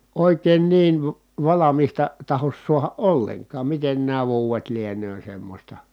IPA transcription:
oˑikeːn niːʋ ʋɑ ʋɑlɑmistɑ tɑhos suɑhɑ ʔolːeŋkɑːm miten næː ʋuːwet lienøː semːosʲtɑ

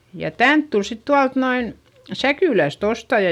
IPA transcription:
jɑ tænt tul sit tuɑlt noin sækyˑlæst ostɑjɑ

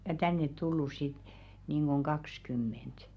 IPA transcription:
jɑ tænːet tulːus sit niˑŋɡ̊oŋ ɡ̊ɑks kymːent

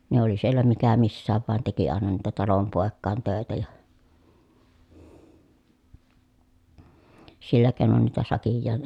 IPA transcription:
ne oli sielæ mikæ misːæːʋ ʋɑˑen teki ɑˑenɑ niːtæ tɑlompoˑekːɑˑen tøˑetæ jɑ silːæ keˑi̯non niːtæ sɑkijːɑːn

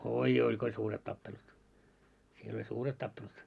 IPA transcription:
oijoi ko olʲ suːret tɑpːelut siel olʲ suːret tɑpːelut

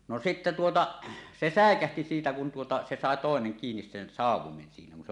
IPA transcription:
no sitːe tuotɑ se sæˑekæhti siːtæ kun tuotɑ se sɑˑe toˑeneŋ kiːnis sen sɑˑuwˑomen siːnæ kun se

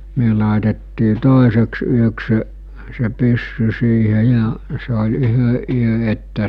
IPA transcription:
myø lɑˑetetːiː toˑeseks yøks se se pysːy siːhe jɑ se olʲ yhø ʔyø etːæ

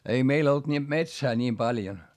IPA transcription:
ei meil olt ni metsæː nʲiːm pɑljon

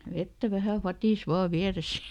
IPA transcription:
ʋetːæ ʋæhæ fɑtiˑs ʋɑː ʋiæresæ̥

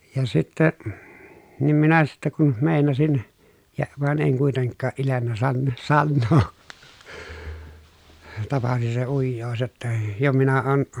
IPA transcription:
jɑ sitːe nim minæ sitːe kun meˑinɑsin jɑ ʋɑˑen eŋ kuiteŋkːɑː ʔilenːæ sɑnː sɑnːoː tɑpɑsi se ujːoːs jotːɑ jo minæ oːn

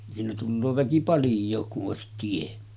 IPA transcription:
siːnæ tulːoː ʋæki pɑljˑoːk kuʔ ʔoˑesit tie

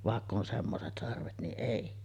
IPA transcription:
ʋɑˑekː on semːoset sɑrʋet niʔ ʔeˑi

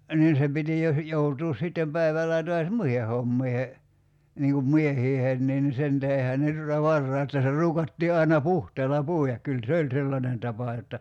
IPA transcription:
niːn se piti jo h joutuːs sitːem pæiʋælˑæː toɑs muihe homːiːhe niːŋ kum miehiːheːn nin sen tæhehæn ne tutɑ ʋɑrːɑˑi etːæ se ruːkɑtːiː ɑi̞nɑ puhteːlɑ puˑiɑk kyl se olʲ selːɑnen tɑpɑ jotːɑ

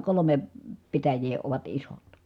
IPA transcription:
kolome pitæjˑeː oʋɑt isot

